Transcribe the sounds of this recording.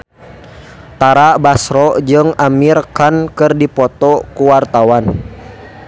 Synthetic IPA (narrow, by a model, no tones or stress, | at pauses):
t̪aɾabasɾɔd͡ʒɨŋamirkankɨrdipɔt̪ɔkuwart̪awan